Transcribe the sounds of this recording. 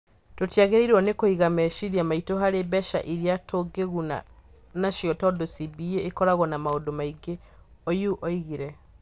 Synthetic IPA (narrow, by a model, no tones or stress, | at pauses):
totijaɣeɾeiɾwɔnekoiɣamɛʃiɾjamaitoɦaɾebɛʃa̰ʔiɾiatoɡeɣuna̰ | naʃjɔtɔdosibieekɔɾaɣɔnamaodomaiɡe | ojuʔɔiɣiɾɛ